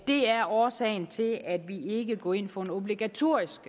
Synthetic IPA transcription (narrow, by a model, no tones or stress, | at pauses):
d̥e̝æɐɒːsɛ̰ɪn̩t͡sʰe̝læd̥ʋie̝ɡ̥əɡ̥ɒ̰ːe̝n̰fɒ̽e̝no̝b̥liɡ̥æt͡sʰo̝ɐ̰isɡ̥